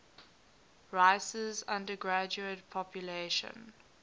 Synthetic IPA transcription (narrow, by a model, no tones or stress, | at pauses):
ɹaɪsəzãndəɡɹæd͡ʒuətpʰɔpʰjuleʃə̰̃n